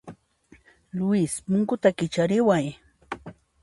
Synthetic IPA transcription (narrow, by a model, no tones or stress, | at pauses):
lʊɪspʊŋkʊt̪akɪt͡ʃaɾɪwaj